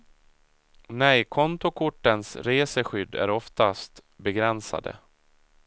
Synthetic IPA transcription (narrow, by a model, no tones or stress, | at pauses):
nɛjkʰɔnt̪ʊkʰʊʈːənsɾeːsəɧʏd̪ːæ̰ɾɔft̪ast̪ | bɛɡɾɛnsa̰d̪ə̰